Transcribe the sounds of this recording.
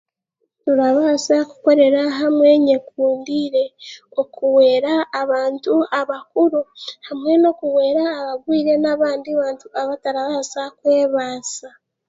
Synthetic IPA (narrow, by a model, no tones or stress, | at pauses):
nuɾaβaːsaku̥ko̞ɾe̞ɾaɦamwe̞ɲe̞kuːndiɾe̞o̞kuwe̞ːɾaːβaːntuaβakuɾuhamwe̞no̞kuwe̞ːɾaːβaβwiːɾe̞naβaːndiβaːntuaβataɾaβaːsakweːβaːsa